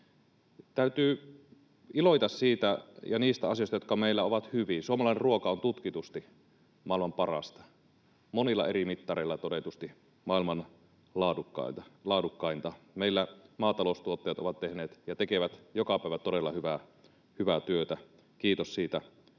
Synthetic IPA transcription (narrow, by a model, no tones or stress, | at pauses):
t̪æyt̪yː | iloit̪ɑssiːt̪æjɑniːst̪æɑ̰siost̪ɑjot̪kɑmeilːæoʋɑt̪hyʋinsuomɑlɑˑinerruokɑont̪ut̪kit̪ust̪i | mɑˑilmɑmpɑrɑ̰st̪ɑ̥ | monilːɑ̰erimit̪ːɑreilːɑt̪odet̪ust̪i | mɑˑilmɑn | lɑːdukːɑ̰t̪ɑlɑːdukːɑint̪ɑmeˑilːæmɑːt̪ɑlost̪uot̪ːejɑt̪oʋɑt̪t̪ehneːt̪jɑt̪ekeʋæt̪jokɑpæˑiʋæt̪odelːɑhyʋæ | hyʋæt̪yøt̪æ | kiːt̪ossiːt̪æ